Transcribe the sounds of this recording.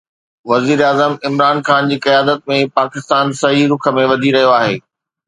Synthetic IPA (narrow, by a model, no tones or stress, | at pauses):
ʋɐziːɾaːzəmɪmɾaːnxaːnd͡ʑiːkɐjaːd̪ət̪̚mẽpaːkɪst̪aːnsɐɦiɾʊkʰə̆mẽʋɐd̪ʱiɾɐɦijoaːɦeː